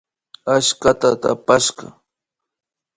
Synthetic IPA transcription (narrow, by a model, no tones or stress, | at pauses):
aʃkat̪at̪a̰paʃɢɑ̰